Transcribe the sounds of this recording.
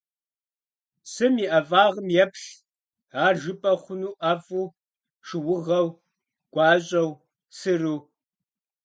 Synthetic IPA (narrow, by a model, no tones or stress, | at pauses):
sɨmiːʔɐvaːʁəmjɛpɬ | aːrʒɨpʼɐχʷʊnuːʔɐfuː | ʂɨwʊʁɐw | ɡ̥ʷɑːɕʼɐw | sɨruː